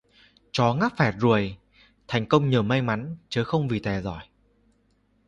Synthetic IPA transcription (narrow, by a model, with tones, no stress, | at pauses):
t͡ɕɔ˨˦ŋaː˦˥p̚fɛ˨˩t̚zu˨˩əj | t̪ʰa˨˩ŋ̟kə˧wŋ͡mɲəː˨˩ma˧jma˨˦nt͡ɕəː˨˦xə˧wŋ͡mvi˨˩t̪ɛ˨˩zɔ̰˧˩j